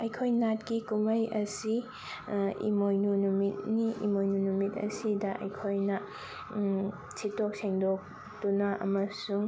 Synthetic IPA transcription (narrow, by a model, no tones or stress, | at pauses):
ɐjkʰojnat̚kikumɐjɐsi | ḭmojnunumit̚niʔḭmojnunumitɐ̰sidɐʔɐ̰jkʰojnɐ | sʰitok̚seŋdok̚ | tunɐʔɐ̰mɐsuŋ